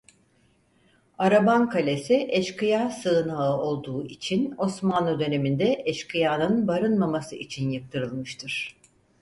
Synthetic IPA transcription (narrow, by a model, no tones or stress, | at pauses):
aɾabankʰalʲesiʔɛʃkɯjasɯnaɯo̞lˠd̪uːit͡ʃʰino̞smanˠud̪ø̞ne̞mind̪ɛʔɛʃkʰɯjaːnɯnbaɾɯnmamasɯʔit͡ʃʰinjɯk̚t̪ʰɯɾɯlˠmɯʃt̪ʰɯɾ̥